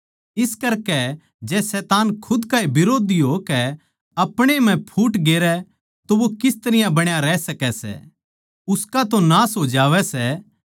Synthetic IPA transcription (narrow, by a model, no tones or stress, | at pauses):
ɪskɐɾkɛ | d͡ʒɛsɛːt̪aːnkʰʊd̪kaːibɪɾoːd̪iɦokɛ | ɐpɽ̃em̤ɛ̃pʰuːʈɡeːɾɛ | t̪oʋokɪst̪ɐɾɪjãbɐɽ̃jaɾɛːsɐkɛsɛ̰ | ʊskat̪onaːsɦoːd͡ʒaːʋɛsɛ